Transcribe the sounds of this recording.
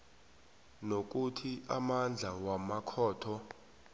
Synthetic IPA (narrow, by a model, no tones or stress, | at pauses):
nok̬ʼutʰiʔamand͡ɮʱawamakʰɔːtʰɔ